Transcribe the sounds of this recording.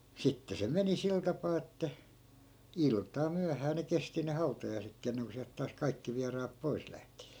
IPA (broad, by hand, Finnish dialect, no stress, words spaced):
sitːe se meni sil tɑpɑː etːæ iltˑɑː myæhæː ne kesti ne hɑutɑjɑi̯sekːiː enːeŋko siælt tɑːs kɑikːi ʋiɑrɑːp pois læhti̥